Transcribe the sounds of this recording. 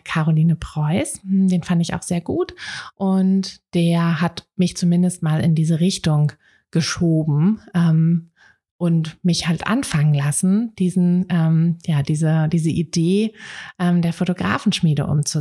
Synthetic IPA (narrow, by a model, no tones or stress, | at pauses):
kʰaːʁoliːnəpʁ̥ɔʏsd̥eːnfandɪça̰ʊxz̥eːɐɡuːtʔʊntd̥eːɐɦatmɪçt͡sumɪndəstmaːlɪ̰ndiːzəʁɪçtʊŋ | ɡ̥əʃoːbm̩ʔɛːm | ʔʊntmɪçhaltʔa̰nfaŋənlasn̩d̥iːzn̩ʔɛːmjaːd̥iːzədiːzəʔideːʔɛːmdeːɐfotoɡʁa̰ːfn̩ʃmiːɾə̰ʔʊ̰mt͡su